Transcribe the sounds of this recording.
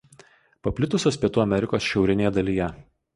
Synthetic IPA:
pɐpʲlʲɪt̪ʊsʲoːspʲiɛt̪uːɐmʲɛɾʲɪkoːsʃʲɛʊɾʲɪnʲeːjɛd̪ɐlʲiːjɛ

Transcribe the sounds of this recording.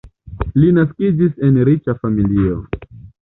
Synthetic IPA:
linaskid͡ʒise̞nɾit͡ʃafamilio

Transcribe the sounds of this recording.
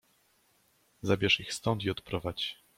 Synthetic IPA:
zabʲjɛʂixst̪ɔnt̪iɔt̪pɾɔvat͡ɕ

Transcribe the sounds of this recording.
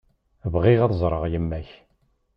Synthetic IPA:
vʁiʁɑðzˤɾˤəʁjəmːæç

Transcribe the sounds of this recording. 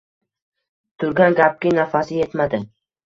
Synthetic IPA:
t̪ʰʊɾɡʲanɡʲap̚kʲɪnafasɪje̞t̪mad̪ɪ

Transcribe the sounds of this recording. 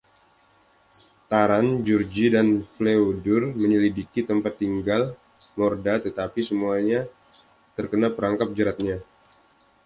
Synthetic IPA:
t̪aɾand͡ʒurd͡ʒidanfleodʊrməɲəlidikit̪əmpat̪ːiŋɡal | mɔrdat̪ət̪apisəmuaɲa | t̪ərkənapəɾaŋkap̚d͡ʒəɾat̪̚ɲa

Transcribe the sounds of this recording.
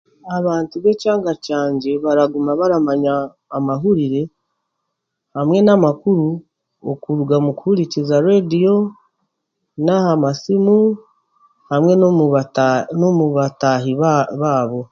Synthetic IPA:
aβaːntuβe̞caːŋɡacaːɲɟe̞βaɾaɡumaβaɾamaɲaː | maɦuɾiɾe̞ | hamŋe̞namakuɾu | o̰kuɾuɡamuku̥huɾicizaɾedijo̞ | nahamasimu | hamŋe̞no | nomuβataɦiβaːβo̞

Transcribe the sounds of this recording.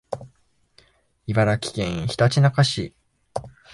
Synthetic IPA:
ibaɾakʲi̥kḛ̃ɰ̃çi̥t̪at͡ɕinakaɕi

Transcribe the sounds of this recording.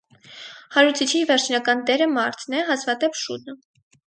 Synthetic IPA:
hɑɾut͡sʰit͡ʃʰivɛɾt͡ʃʰnɑkɑnt̪ɛɾəmɑɾt̪ʰnɛɦɑsvɑt̪ɛpʃut̪̚nə

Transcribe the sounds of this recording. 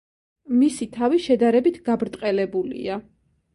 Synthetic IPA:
misit̪ʰaviʃɛd̪aɾɛbit̪ʰɡ̥abɾt̪ʼqʼɛlɛbulḭa

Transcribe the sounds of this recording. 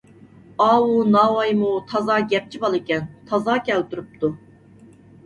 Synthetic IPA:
ɑːwunɑːwɑjmut̪ʰɑzɑːɡʲɛp̚t͡ʃʰibɑlˠɪkʲɛnt̪ʰɑzɑkʲɛlt̪uɾup̚t̪ʰu

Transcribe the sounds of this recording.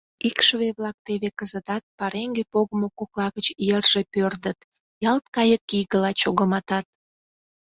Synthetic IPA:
ikʃβeβlɑk̚t̪eβekəzət̪ɑt̪̚pɑɾeŋɡepoɣə̆mokoklɑɣət͡ɕjerʒ̥epørd̪ət̪ | jɑlt̪̚kɑjəkːijɣəlɑt͡ɕoɣəmɑt̪ɑt̪̚

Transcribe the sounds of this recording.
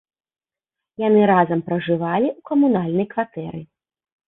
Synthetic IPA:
janɨɾazɐmpɾɐʐɨvalʲiukɐmunalʲnɐjkvat̪ɛɾɨ

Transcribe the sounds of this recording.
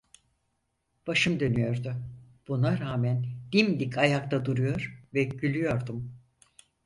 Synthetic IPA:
b̥aʃɯmd̪ø̞nyjo̞ɾd̪ʊ | b̥unaɾaːmænd̪̥imd̪ikʰajak̚t̪ad̪uɾujo̞ɾvɛɟylʲyjo̞ɾd̪um

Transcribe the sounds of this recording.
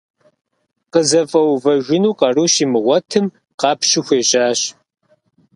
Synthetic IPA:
qəzɐfʼɐwvɐʒʷɪnuːqɐruːʃimɨʁʷɔtʰɨm | qɑːpɕɪxʷeːɕʼaːɕ

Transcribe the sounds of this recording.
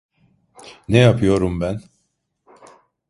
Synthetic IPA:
nɛjapʰɯjo̞ɾumbæn

